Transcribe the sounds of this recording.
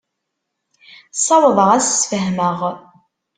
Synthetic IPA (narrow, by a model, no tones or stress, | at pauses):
sˤːɑwðˤəʁæssfəɦməʁ